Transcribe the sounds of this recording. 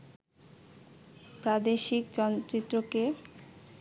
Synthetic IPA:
pɾad̪eʃikd͡ʑɔnt̪ɾit̪ːɾoke

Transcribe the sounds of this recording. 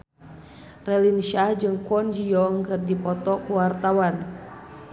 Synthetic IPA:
rɛlinʃahd͡ʒɨŋkɔnd͡ʒiɔŋkɨrdipɔt̪ɔkuwart̪awan

